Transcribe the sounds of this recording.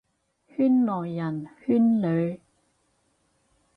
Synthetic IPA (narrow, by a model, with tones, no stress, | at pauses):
hyː˥nlɔː˨˩jːɐ˨˩nhyː˥nlø˨ɥ